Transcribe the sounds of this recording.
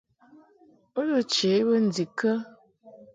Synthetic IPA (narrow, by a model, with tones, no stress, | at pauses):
o˦lo˨t͡ʃe˨˦bə˦n̩˨d͡zi˨kə˦